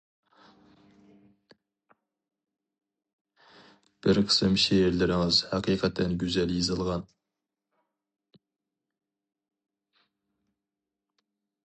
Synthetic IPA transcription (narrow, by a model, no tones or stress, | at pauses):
b̥ɪɾqʰə̥sɨmʃejeɾlɪɾɪŋɨzhæqʰiːqʰɑt̪ʰːɛnɡʲyzɛljezɨlˠʁɑn